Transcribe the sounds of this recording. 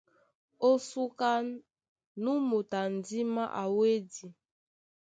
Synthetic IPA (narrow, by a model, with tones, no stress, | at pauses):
o˦su˦ka˦ | nu˦mu˨ta˨n˨di˦ma˦ʔa˨we˦di˨